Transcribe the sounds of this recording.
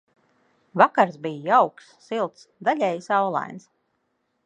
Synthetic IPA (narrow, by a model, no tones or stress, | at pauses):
vakaɾzbijjawksːilˠt̪sd̪aʎʲɛjsawlˠa̰jns